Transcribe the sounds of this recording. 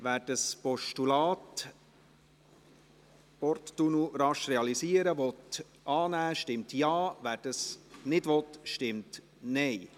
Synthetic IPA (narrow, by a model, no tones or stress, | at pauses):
ʋæːɾdəspɔʃtulɑːt | pɔrtːunuɾɑʃrɛɑlisiːəɾəvɔt̪ | ɑːnæːʃtɪmt̪jɑːvæːɾdəsnɪdʋɔt̪ʃtɪmt | nɛɪ